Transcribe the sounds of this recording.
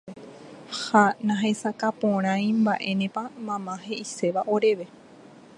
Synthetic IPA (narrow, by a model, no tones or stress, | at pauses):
hanãɦe̞sakapõɾ̃ãj̃mbaʔe̞nẽ̞pamãmãɦe̞ʔise̞ʋaʔoɾe̞ʋe̞